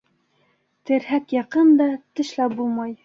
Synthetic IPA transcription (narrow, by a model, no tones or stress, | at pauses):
t̪ɘ̆ɾhækjɑqɤnd̪ɑt̪ɘ̆ʃlˠæbulˠmɑj